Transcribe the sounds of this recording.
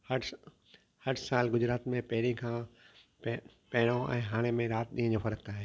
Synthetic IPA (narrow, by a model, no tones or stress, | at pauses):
hɐɖ | hɐɖsaːlɡʊd͡ʑɾaːt̪mẽpɐɦɪɾikʰãː | p | pɐɦɪɽ̃oʔɛ̰̃ːɦaːɽ̃emẽɾaːt̪̚ɗĩːə̃d͡ʑoːfɐɾəkaːɦeː